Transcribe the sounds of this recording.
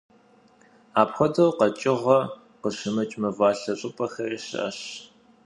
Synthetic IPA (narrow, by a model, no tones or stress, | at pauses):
aːpxʷɔdɐwqɐt͡ʃʼɪʁɐ | qəɕɨmɨt͡ʃʼmɨvɑːɬɐɕʼɨpʼɐxɐriɕɪ̰ʔɐ̰ɕ